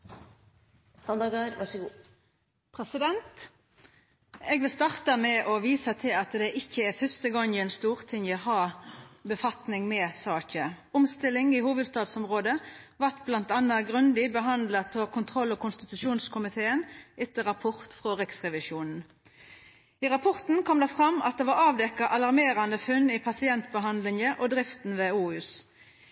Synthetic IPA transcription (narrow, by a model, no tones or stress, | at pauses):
hɑnd̪ɑɡɑɾʋɑʂəɡː | pʰʁɛsɪd̪ɛnt̪ | ɛɡʋɪlst̪ɑːʁt̪ɑmɛʔɔʋiːsɑt̪ʰɪlɑt̪d̪ɛʔɪçːəɛfœst̪əɡɔŋːɪɛnst̪uːʁt̪ʰɪŋjəhɑːbəfɑt̪nɪŋmɛsɑːçə | ʊmst̪ɪlːɪŋɪhuːʋəd̪st̪ɑːd̪sɔmʁoːd̪əʋɑʁt̪blɑnt̪ɑnːɑɡʁʉnd̪ɪbəɦɑnd̪lɑt̪ʰɔkʰʊnt̪ʰʁɔlːɔkʰʊnst̪ɪt̪ʉʂuːnskʰʊmɪt̪ʰeːənɛt̪ːəɾɑpʰɔʁt̪fʁɔʁɪksʁɛʋɪʃuːnn̩ | iʁɑpʰɔʁt̪n̩kʰɔmd̪ɛfʁɑmːɑt̪̚d̪ɛʋɑɾɑːʋd̪ɛkɑʔɑlɑʁmeːɾɑnd̪əfʉnːɪpʰɑsɪɛnt̪bəɦɑnd̪lɪŋəʔɔd̪ʁɪft̪n̩ʋɛuːʉːs